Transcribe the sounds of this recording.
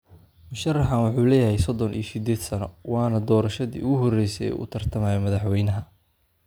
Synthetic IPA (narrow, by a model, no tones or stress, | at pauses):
mʊʃɐrːɑħɐnwʊħuːlɛːjɐɦɛjsɔd̪ɔnʔḭjsɪd̪ɛːd̪sɐnɔ̰wɑːnɐd̪ɔːɾɐʃɐðḭːʊɣʊɦɔrɛjsɛɛ̰ːʔʊ̰t̪ʰɐrt̪ʰɐmaːjɛmɐðɑħwɛjnɐɦɐ